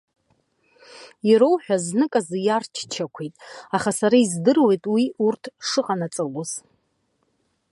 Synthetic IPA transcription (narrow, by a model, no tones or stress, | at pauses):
iɾowħᶣaznɨkʼazjart͡ʃʰt͡ʃʰakʷʰejtʼaχasaɾaizdɨrwe̞jtʼwiurtʰʂɨqʼanat͡sʼɨloz̥